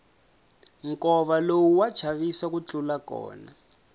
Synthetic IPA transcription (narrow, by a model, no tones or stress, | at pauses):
ŋkɔβalowuwḁt͡ʃʰaβisak̬ut͡ɬʼulakɔ̰ːna